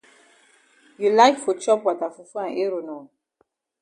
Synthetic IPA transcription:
ju˨la˦ɪkfɔ˨t͡ʃɔ˦pwa˨ta˨fu˨fã˨nʔe˦ɾo˨nɔ˨

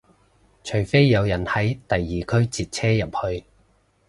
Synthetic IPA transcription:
t͡ʃʰɵ˨˩ɥfe˥jːɐ˨˧wjɐ˨˩nhɐ˨˥jt̪ɐ˨jːiː˨kʰɵ˥ɥt͡siː˨˧t̚t͡sʰɛː˥jɐ˨p̚hɵ˧ɥ

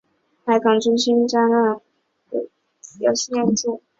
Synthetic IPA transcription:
pa˧˩ɪkʰɑ˨˩ŋʈ͡ʂʊ˥ŋɕi˥nʈ͡ʂa˥na˥˩˧ | t͡sjɑ̰˧˩ɕi˥ɛ˥˧nt͡su˥˩

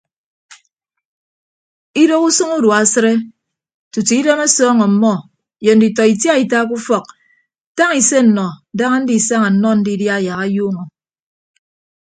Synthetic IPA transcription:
i˦do˦ku˦sɨ˦ŋu˦dwa˨sɨ˦ɾe˦ | tu˨ti˨i˦de˦me˦sɔː˦ŋɔ˨m̩˨mɔ˦ | je˨n̩˦di˨tɔ˨i˨tja˦i˨ta˦k̬u˦fɔ˨k̚ | ta˦ŋi˨se˦n̩˨nɔ˨˦da˦ŋa˦n̩˦di˦˨sa˦ŋa˨n̩˦nɔ˦n̩˦di˦dja˦˨ja˨ɣa˦juː˦ŋɔ˨

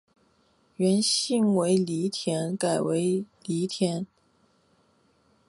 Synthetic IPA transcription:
ɥɛ˧˥nɕi˥˧ŋwe˧˥ɪli˧˥t̪ʰjɛ˧˥nka˨˩ɪwe˧˥ɪli˧˥t̪ʰjɛ˧˥n

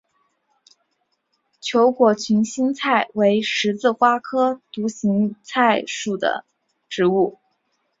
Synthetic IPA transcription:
t͡ɕʰjo˧˥ʊkwɔ˨˩t͡ɕʰy˧˥nɕi˥ŋt͡sʰa˥˩ɪwe˧˥ɪʂɻ̩˧˥t͡sɹ̩˥˩xwa˥kʰɤ˥t̪u˧˥ɕi˧˥ŋt͡sʰa˥˧ɪʂu˥˩d̪ə̰˩ | ʈ͡ʂɻ̩˧˥u˥˩

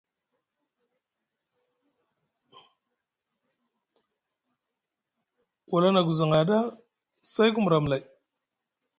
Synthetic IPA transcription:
wʔa˨la˦na˨ɡu˨za˨ŋa˨da˦ | sa˦jku˦mu˨ɾa˨m˨la˨j

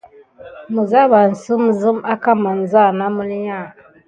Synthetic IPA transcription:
mu˨za˦ba˨n̩˨sɨ˦mzɨ˦ma˦ka˦ma˨n̩˨za˦˨na˦mu˦li˦ɲa˦˨

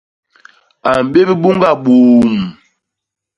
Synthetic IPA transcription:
a˨m˨be˦bi˦bu˦ŋ˦ɡa˦˨ɓuː˨m

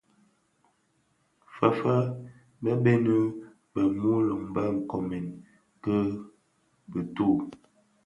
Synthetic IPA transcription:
fa˨fa˦ | bə˦bɛ˦nə˦ | bə˨mu˦lə˨ŋba˦ŋ̩˨kɔ˨mɛ˨n | kə˦ | bə˨tu˦˨

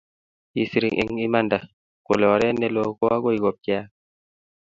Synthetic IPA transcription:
i˨si˨ɾi˨ŋʔḭ˦ŋi˦ma˦˨nda˨ | ko˨lɔ˨ɾɛ˦nɛ˦lo˨kɔ˦a˦ɡo˦i˨ɡo˨p̚ci˦a˦

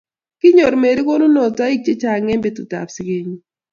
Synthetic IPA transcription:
kɪ˦ɲo˨ɾme˨ɾi˦kɔ˦nʊ˦nɔ˨ta˦i˦k̚t͡ʃe˦t͡ʃa˨ŋɛ˦mbe˨tʊ˨ta̰˨psi˦ke˦ɲi˦

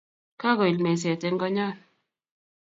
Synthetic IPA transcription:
ka˦ɡɔ˨i˨lme˨s̬ɛ˨te˦ŋ˦ɡɔ˦ɲa˦˨n

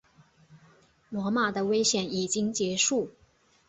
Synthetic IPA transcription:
lwɔ˧˥ma˨˩d̪ə˦we˥ɪɕjɛ˨˩ni˨˩t͡ɕi˥ŋt͡ɕjɛ˧˥ʂu˥˩

